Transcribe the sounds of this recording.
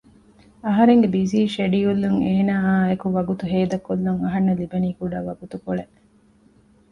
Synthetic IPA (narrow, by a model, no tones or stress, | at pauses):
ɐɦɐɾeŋɡebiziːʃeɖiulːuŋeːnaːaːekuʋɐɡut̪uɦeːd̪ɐkːulːuŋɐɦɐnːɐlibɐniːkuɖaːʋɐɡut̪ukoɭe